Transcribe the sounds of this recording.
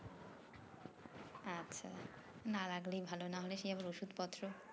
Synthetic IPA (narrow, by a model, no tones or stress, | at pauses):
atːɕʰa̰ | naɾaɡlijbʱalonaɦoleʃeabaɾoʃud̪pɔt̪ːɾo